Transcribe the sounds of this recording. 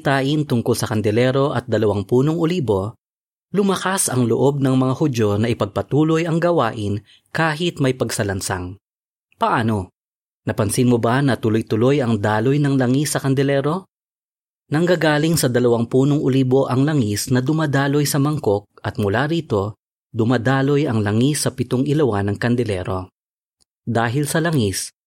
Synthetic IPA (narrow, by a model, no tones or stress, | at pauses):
t̪aːʔɪnt̪ʊŋkʊlsɐkɐnd̪ɛlɛɾo̞ʔɐt̪̚d̪ɐlɐwaŋpuːnoŋʊliːbo̞ | lʊmɐkasɐŋlo̰ʔo̞b̚nɐŋmɐŋahʊd͡ʒo̞nɐʔɪpɐɡ̚pɐt̪uːlo̞jɐŋɡɐwaːʔɪn | kaːɦɪt̪̚mɐjpɐɡsɐlɐnsa̰ŋ | pɐʔaːno̞ | nɐpɐnsɪnmobɐnɐt̪ʊlojt̪ʊlojɐŋd̪aːlojnɐŋlɐŋisːɐkɐnd̪ɛlɛːɾo̞ | nɐŋɡaːɡaːlɪŋsɐd̪ɐlɐwɐŋpuːnoŋʔʊliːbo̞ʔɐŋlɐŋisnɐd̪ʊmad̪aːlo̞jsɐmɐŋko̞k̚ʔɐt̪mʊlaːɾiːt̪o̞ | d̪ʊmad̪aːlo̞jɐŋlɐŋisːɐpɪt̪oŋɪlɐwanɐŋkɐnd̪ɛlɛ̰ɾo̞ | d̪aːɦɪlsɐlɐŋis